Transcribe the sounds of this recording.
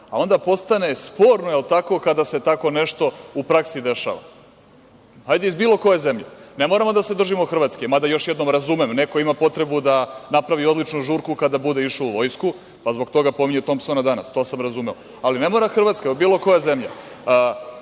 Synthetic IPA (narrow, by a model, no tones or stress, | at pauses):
ao̞nd̪apo̞st̪ane̞spo̞ːɾnojelˠt̪ako̞kad̪ase̞t̪ako̞ne̞ʃt̪o̞upɾaksid̪e̞ʃa̰ːʋa̰ | hajd̪eizbiːlˠo̞ko̞jezemʎene̞mo̞ɾamo̞d̪ase̞d̪r̩ʒimoxr̩ʋaːt̪skemad̪ajo̞ʃjed̪no̞mɾazumemne̞ko̞imapo̞t̪ɾe̞bud̪anapɾaʋio̞d̪lit͡ʃnuʒuːɾkukad̪abud̪e̞iʃouʋo̞jsku | pazbo̞ɡt̪o̞ɡapo̞miɲet̪o̞mpsonad̪anast̪o̞ːsamɾazumeo | aline̞mo̞ɾaxr̩ʋat̪skaobiːlˠo̞ko̞jaze̞mʎa